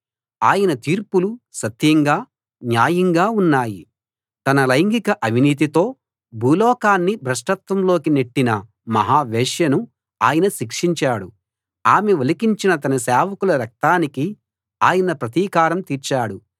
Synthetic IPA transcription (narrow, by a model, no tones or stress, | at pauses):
aːjɐnɐt̪iːɾpulusɐt̪jɐŋɡaː | njaːjɐŋɡaːunːaːji | t̪ɐnɐlɐjŋɡikɐʔɐʋʱiniːt̪̬it̪o̞ː | bʱuːlɔːkaːnːibʱɾɐʂʈɐt̪ʋɐmlo̞ːkineʈːinɐ | mɐ̰ɦaːʋeːʂjɐnu | a̰ːjɐnɐʃikʂiɲt͡ʃaːɽu | aːmeʋelɐkiɲt͡ʃinɐt̪ɐnɐsɛːʋɐkulɐɾɐk̚t̪aːniki | aːjɐnɐpɾɐt̪iːkaːɾɐmt̪iːɾt͡ʃaːɽu